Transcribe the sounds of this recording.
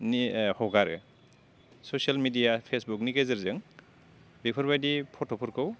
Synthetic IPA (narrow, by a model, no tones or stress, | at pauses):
nihɔɡaɾɯ̰ | sosialmidijapʰesbuk̚nikezɯɾzɯŋ | bipʰɔɾbajdipʰɔtʰɔpʰɔɾkʰɯw